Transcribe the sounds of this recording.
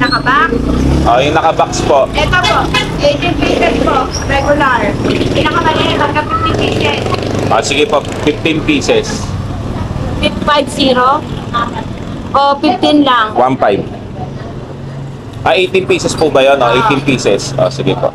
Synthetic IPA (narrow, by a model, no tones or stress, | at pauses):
nɐkɐbaksʔojʊŋnɐkɐbakspoʔʔɛt̪opoʔʔejt̪ɪnpiːsɛspoʔ | ɾɛɡʊlaɹɪnɐkɐmɐlɪt̪ɐd̪̚kɐfɪft̪ɪnpiːsɛsʔo̰sɪɡɪpo | fɪft̪ɪnpiːsɛs | fɪffajbsiːɾo | ʔofɪft̪ɪnlaŋwanfajb̚ | ʔɐʔejt̪ɪnpiːsɛspʊbɐjonʔoʔejʔt̪ɪnpiːsɛsʔo̰sɪɡɪpo̰ʔ